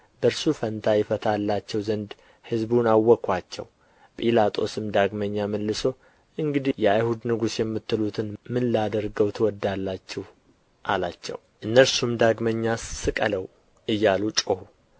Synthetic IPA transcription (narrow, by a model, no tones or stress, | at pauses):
bəɾsufənt̪ʰajɛfət̪ʰalːat͡ʃːɛwzənd̪ | hɨzbunawːɔkʰːwat͡ʃːɛ̰w | pʼilat̪ʼo̞sɨmd̪aɡməɲːaməlːɨso̞ | ʔɨŋɡɨd̪ijɛajhud̪nɨɡusjɛmːɨt̪ːɨlut̪ʰɨnmɨnlad̪əɾɡəwt̪ʰwɔd̪ːalːat͡ʃːɛw | ʔala̰t͡ʃːɛ̰wʔɨnːəɾsumd̪aɡməɲːasɨkʼələw | ʔɨjːalut͡ʃʼohu